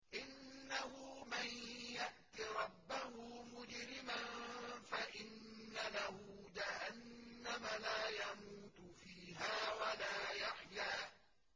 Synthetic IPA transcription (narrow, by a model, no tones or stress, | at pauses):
ʔɪnːahʊmanjaʔt̪iɾˤɑbːahʊmʊd͡ʒɾɪmanfaʔɪnːalahʊd͡ʒahanːamalaːjamuːt̪fiːɦaːwalaːjaħjaː